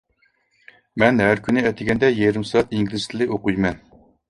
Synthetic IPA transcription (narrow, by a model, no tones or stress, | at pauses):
mɛnɦæɾkʲʰynɪɛt̪ʰɪɡʲɛnd̪ɛjɛɾɪmsɑɑt̪iŋɡʲilɪz̥t̪ʰɪlɪoqujmɛn